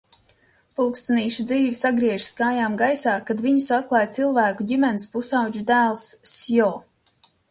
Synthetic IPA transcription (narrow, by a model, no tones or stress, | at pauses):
pulˠkst̪aniːʃud̪ziːvisaɡɾiɛʒ̥skaːjaːmɡajsaːkad̪viɲusat̪̚klˠɑːjt̪silˠvæːkuɟʲimɛnispusawd͡ʒud̪æːlˠsːjɔː